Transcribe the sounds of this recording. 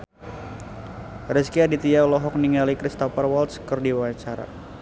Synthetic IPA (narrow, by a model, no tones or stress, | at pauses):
rəskiadit̪ialɔɦɔk̚niŋalikɾist̪ɔfarwɔlt̪skərdiwaɲt͡ʃaɾa̰